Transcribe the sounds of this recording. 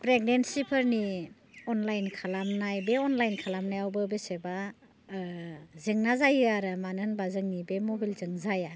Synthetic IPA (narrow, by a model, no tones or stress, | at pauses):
pɾeɡ̚nensipʰɯɾni | ɔnlajnkʰalamnajbeɔnlajnkʰalamnajawbɯbeseba | zɯŋnazajɯaɾamanɯnbazɯŋnibemɔbilzɯŋzaja